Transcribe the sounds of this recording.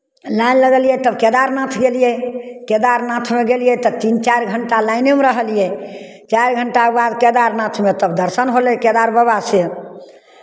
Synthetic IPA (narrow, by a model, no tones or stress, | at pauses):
lanləɡəljɛt̪əbkɛd̪aɾnat̪ʰɡelijɛkɛd̪aɾnãt̪ʰmeɡelijɛt̪ət̪int͡ʃaɾɡʱəɳʈalaɪnemɾəɦəlijɛ | t͡ʃaɾɡʱəɳʈabad̪kɛd̪aɾnãt̪ʰmet̪əbd̪əɾsənɦolɛkɛd̪aɾbəβasje